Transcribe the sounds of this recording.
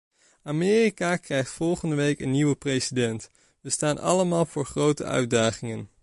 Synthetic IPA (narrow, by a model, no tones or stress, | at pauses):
amɪːrikakrɛjχtfɔlˠχəndəʋejkənːiʋəprejsidɛnt | ʋəstaːnɑ̰ləmaːlˠvʊːɹχrowtə̰œ̰ɥdaːχɪŋən